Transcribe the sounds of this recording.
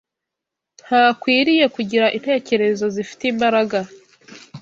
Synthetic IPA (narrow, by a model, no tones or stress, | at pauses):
n̥haːkwiːɾije̞kuɟiɾaʔin̥he̞ːce̞ɾe̞zo̞zifi̥teːmbaɾaɡa